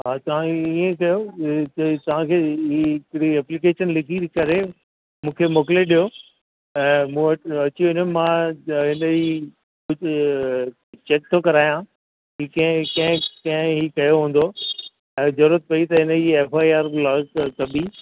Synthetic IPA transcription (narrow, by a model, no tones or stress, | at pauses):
ɦaːt̪ɐʋ̤ãiẽkɐjo | t̪ɐʋ̤ãkʰeiɪkɽiɛːplik̬eːʃənlɪkʰikɐɾe | mũːkʰemoːkɪleɗijo | ɛ̃ːmũːɐʈɐt͡ɕiʊnomãɦɪnəd͡ʑi | kʊ | t͡ɕeːk̚t̪ʰokɐɾaːjã | ɦiːkɐ̃kɐ̃ɦɪ̃kɐ̃ɦɪ̃ɦiːkɐjoɦũːn̆d̪o | ɛ̃ːzɐɾuːɾət̪̚pɐit̪ɐɦɪnəd͡ʑieːfaːaːɾblaːɡkɐbi